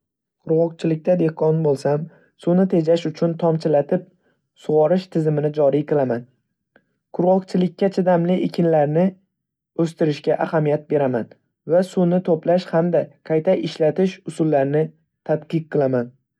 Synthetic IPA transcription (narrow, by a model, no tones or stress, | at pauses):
qʰʊɾʁɒq̚t͡ʃʰɪlɪk̚ʲt̪ad̪e̞hqʰɒnbolˠsam | sʊnɪt̪ʰe̞d͡ʒaʃʊt͡ʃʰʊnt̪ʰɒmt͡ʃʰɪlat̪ʰɪp̚ | sʊʁɒɾɪʃt̪ʰɪzɪmɪnɪd͡ʒɒɾijqʰɨlˠaman | qʰʊɾʁɒqt͡ʃʰɪlɪkʲʰːat͡ʃʰɪd̪amlɪʔɪkʲʰɪnlaɾnɪ | ɵst̪ɪɾɪʃkʲaʔahamijat̪̚be̞ɾaman | vasunɪt̪ʰoplaʃhamd̪aqʰajt̪ʰaʔɪʃlat̪ʰɪʃʊsʊlːaɾnɪ | t̪ʰat̪qɨq̚ʰːɨlˠaman